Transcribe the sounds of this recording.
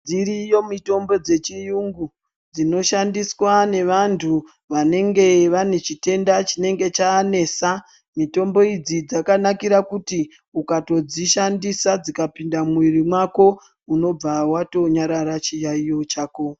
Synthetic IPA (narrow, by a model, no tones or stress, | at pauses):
d͡ziɾijo̞mito̞mbo̞d͡ze̞t͡ʃijuŋɡu | d͡zino̞ʃandiswane̞ʋantʰu | ʋane̞ŋɡe̞ʋane̞t͡ʃite̞ndat͡ʃine̞ŋɡe̞t͡ʃaːne̞sa | mito̞mbo̞id͡zid͡zakanakiɾakuti | ukato̞d͡ziʃandisad͡zikapindamwirimwako̞ | uno̞b͡vawato̞ɲaɾaɾat͡ʃijaijo̞t͡ʃaːko̞